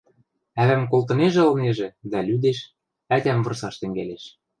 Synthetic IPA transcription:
æβæmk̬olt̪ɤ̆neʒĕɤ̆lneʒĕd̪ælyd̪eʃ | æt̪ʲæmvɤ̆rsɑʃt̪ɘ̆ŋɡæleʃ

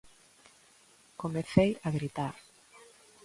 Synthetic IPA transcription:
komeθejaɣɾit̪aɾ

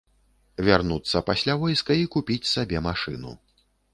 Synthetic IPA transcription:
vʲarnut̪sːɐpasʲlʲavɔjskɐikupʲit͡sʲsabʲɛmaʂɨ̰nṵ

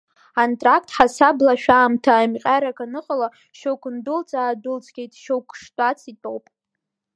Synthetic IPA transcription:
antʼrak̚ʰtʰʼħasablaʃᶣaːmtʰamqʲʼaɾakʰanɨqʼala | ʃowkʷʊndʊlt͡sʼaːdʊlt͡sʼʰɡʲejtʼʃowkʷʰʂtʷʼat͡sʰitʼowpʼ

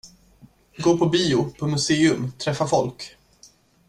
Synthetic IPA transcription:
ɡoːpʰɔbiːʊpʰɔmɵseːɵmt̪ʰɾɛfːafɔlk

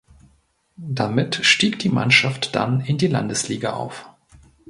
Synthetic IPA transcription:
d̥amɪtʃtiːkd̥iːma̰nʃaftd̥a̰nɪndiːla̰ndəsliːɡaʔa̰ʊf

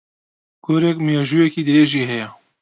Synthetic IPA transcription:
ɡ̥oːɾɛkmjeʒuːjɛkiːd̪ɨɾeːʒiːɦɛjɛ

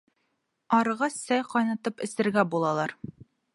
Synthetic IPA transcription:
ɒɾʁɑssæjqɒjnɑt̪ɤpɘ̆sɘ̆ɾɡæbulˠɑlˠɑɾ

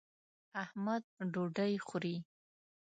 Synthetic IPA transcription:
ahmad̪̚ɖoɖajxʊɾi

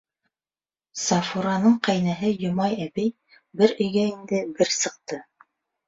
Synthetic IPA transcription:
sɑfuɾɑnɤɴqæjnæɦɘjŏmɑjæbɘj | bɘɾɵ̆jɡæind̪ɘbɘɾsɤ̆q̚t̪ɤ

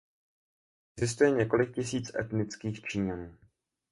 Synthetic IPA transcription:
ɛɡzɪst̪ujɛɲɛko̞lɪk̚cɪsiːt͡sʔɛ̰t̪nɪt͡skiːxt͡ʃiːɲanuː

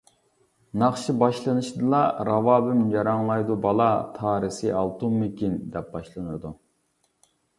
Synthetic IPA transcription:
nɑχʃibɑʃlˠɨnɨʃd̪ɨlˠɑɾɑvɑːbɪmjɑɾɑŋlˠɑjd̪ubɑlˠɑt̪ʰɑːɾɨsɨɑlˠt̪ummɪkʲind̪ɛp̚bɑʃlˠɨnɨɾd̪u

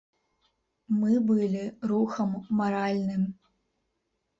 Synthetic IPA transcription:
mɨbɨlʲiɾuxɐmːaɾalʲnɨm

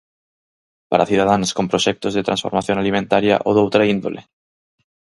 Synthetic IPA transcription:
pa̰ɾaθjuð̞að̞ansko̞mpɾoʃek̚t̪ozðet̪ɾansfo̞ɾmaθjonalimẽnt̪aɾja̰ʔoðowt̪ɾaind̪o̰lʔe

